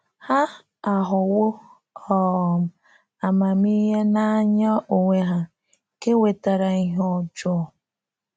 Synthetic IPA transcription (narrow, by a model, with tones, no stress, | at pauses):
ha˦ | a˨ɦʊ˨wʊ˦ | ɔ˦˨m̩˦ | a˨ma˨mi˦ɦe˦na˦a˦ɲɔ˦o˨ŋʷe˦ɦa˦ | ke˦we˨ta˨ɾa˨i˦ɦo˦d͡ʒɔ˦ɔ˨